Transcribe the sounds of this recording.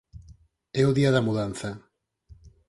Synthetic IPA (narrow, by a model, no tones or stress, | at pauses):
ɛʊðiaðɐmuðanθɐ